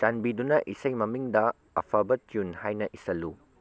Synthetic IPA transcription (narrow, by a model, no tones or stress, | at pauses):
t͡ʃanbidunɐʔisɐjmɐmiŋdɐ | ɐ̰pʰabɐtiunhajnɐʔisɐlːu